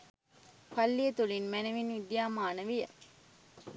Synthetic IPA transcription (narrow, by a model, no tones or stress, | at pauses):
fɐlːiet̪ulinmæneʋinid̪ijaːmaːnəʋijə